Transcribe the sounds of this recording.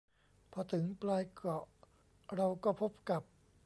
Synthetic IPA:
pʰɔ˧t̪ʰɯ˩˦ŋplaː˧jkɔ˨˩ʔ | ɾa˧wkɔː˥˩pʰo˦˥p̚ka˨˩p̚

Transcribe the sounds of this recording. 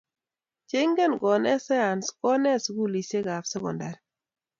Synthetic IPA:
t͡ʃe˦ŋɡɛ˦nɡɔ˨nɛ˦sɛ˦a˨nskɔ˦nɛ˦˨sku˦˨li˨se˦ɡa˨fsɛ˦kɔ̰˨nda˨ɾ

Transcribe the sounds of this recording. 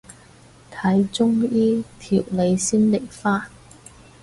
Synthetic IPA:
t̪ʰɐ˨˥jt͡sʊ˥ŋjiː˥t̪ʰḭ˨˩wle˨˧jsiː˥nle˨˩jfaː˥n

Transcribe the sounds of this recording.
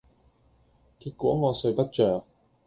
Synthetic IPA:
kiː˧t̚kʷɔː˨˥ŋɔː˨˧sɵ˨˧ɥpɐ˥t̚t͡ʃœː˨k̚

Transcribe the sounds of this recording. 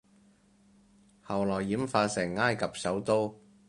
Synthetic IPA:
hɐ˨˩wlɔː˨˩jːiː˨˥mfaː˧sɛː˨˩ŋːaː˥jkɐ˨p̚sɐ˨˥wt̪o˥w

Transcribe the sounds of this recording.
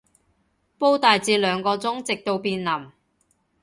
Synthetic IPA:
po˥wt̪aː˨jt͡siː˧lœː˨˧ŋkɔː˧t͡sʊ˥ŋt͡sɪ˨k̚t̪o˧wpiː˧nlɐ˨˩m

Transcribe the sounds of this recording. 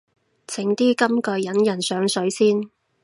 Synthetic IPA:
t͡sʰɪ˨˥ŋt̪iː˥kɐ˥mkɵ˨˧jjɐ˨˥njɐ˨˩nsœː˨˥ŋsɵ˨˥ɥsiː˥n

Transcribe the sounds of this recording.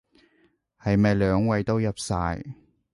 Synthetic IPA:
hɐ˨jmɐ˨jlœː˨˧ŋwɐ˨˧jt̪o˥wjɐ˨˩p̚saː˧j

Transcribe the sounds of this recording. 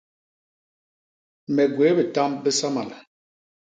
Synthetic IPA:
mɛ˨ɡwe˨˦bɛ˨ta˦mbɛ˦sa˦ma˨la˨

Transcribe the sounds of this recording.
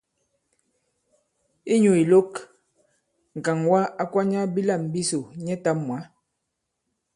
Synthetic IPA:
i˦ɲu˨i˨lo˦k | ŋ̩˨ka˨ŋwa˦a˦kwa˦ɲa˦bi˦la˦˨m˨bi˦so˨ɲɛ˦ta˦mːwa˨˦

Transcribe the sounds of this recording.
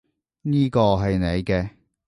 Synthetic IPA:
niː˥kɔː˧ɦɐ˨jne˨˧jkɛː˧

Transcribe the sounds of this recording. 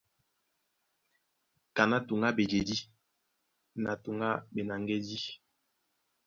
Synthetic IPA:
ka˨na˦tu˨ŋɡa˦be˨d͡ʒe˨di˦ | na˨tu˨ŋɡa˦be˨na˨ŋɡe˦di˦

